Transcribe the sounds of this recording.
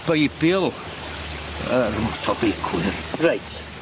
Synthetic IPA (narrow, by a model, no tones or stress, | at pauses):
b̥ejbɪlˠ | ərmɔtʰɔbejkʰwɪrrajtʰ